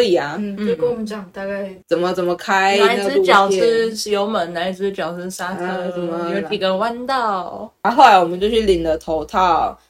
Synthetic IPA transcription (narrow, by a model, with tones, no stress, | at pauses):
i˨˩ɐ˧˩n̩˥ko˥˧t͡ɕɑ˨˩ŋt̪a˥˧ka˥˩t͡sə˨˩nmə˧˦t͡sə˨˩mə˦kʰa˥ɪ˧˥ɪ˥˧t͡ɕjɑ˨˩ʊʂ̩˥ʂ̩˨˩jo˧˥ʊmə˨˩˦nna˧˥ɪ˧˩˥t͡ɕjɑ˨˩ʊʂ̩˥˩ʂa˥kɤ˥˩ə˨˩mə˧jo˧˥i˨˩kə˧˥˩wa˥nt̪ɑ˥˩ʊ˧˥xo˥˩ʊla˧˥ɪwɔ˨˩mə˦nt͡ɕjo˥˧ɕʰy˥˩li˨˩nd̪ə˦t̪ʰo˧˥ʊt̪ʰɑ˥˩ʊ